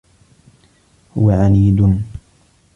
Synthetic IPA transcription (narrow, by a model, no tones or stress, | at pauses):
hʊwaʕaniːd̪ʊn